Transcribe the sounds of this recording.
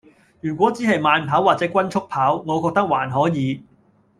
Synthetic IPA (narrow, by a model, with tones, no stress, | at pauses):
jyː˨˩kʷɔː˨˥t͡siː˨˥ɦɐ˨jmaː˨˧npʰaː˨˥waː˨t͡sɛː˨˥kwɐ˥nt͡sʰʊ˥k̚pʰaː˨˥wŋɔː˨˧kɔː˧k̚t̪ɐ˥k̚waː˨˩nɦɔː˨˥jiː˨˧